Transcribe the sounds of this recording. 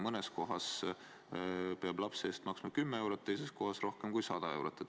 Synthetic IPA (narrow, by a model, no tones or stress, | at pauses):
mɤnesko̞ɦɑs | peɑb̥lɑpse̞ːst̪mɑksmɑkymːee̞wɾot̪t̪ːejse̞st̪ko̞ɦɑsro̞hkemkujsɑd̪̥ɑe̞wɾot̪ːˑe